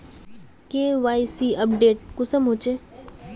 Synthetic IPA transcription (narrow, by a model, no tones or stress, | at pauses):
kẽːʋaːisiəp̚ɖeːʈ̚kʊsəmɦʊt͡ʃe